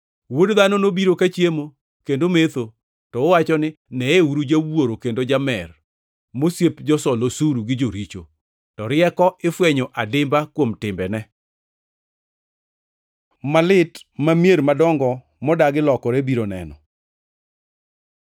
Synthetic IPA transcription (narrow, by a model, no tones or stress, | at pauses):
wodðanɔnobiɾokat͡ʃjemo | kendomet̪o | tɔːwat͡ʃɔnɪ | nɛeuɾud͡ʒawoɾokendod͡ʒamɛr | mosjepd͡ʒɔsɔlosuɾuɡɪd͡ʒoɾit͡ʃo̰ | tɔɾɪɛkɔɪfwɛɲoʔadɪmbakwomtɪmbɛnɛ | malɪtmamjeɾmadɔŋɡɔ | mɔdaɡɪlɔkɔɾɛbiɾonɛ̰nɔ̰